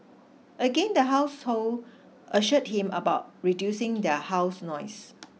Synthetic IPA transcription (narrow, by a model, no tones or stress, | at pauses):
ʔəɡẽndəɦaʊshol | ʔəʃət̚hĩmə̰baʊt̚ɹidjusɪ̃ŋdɛhaʊsnɔɪs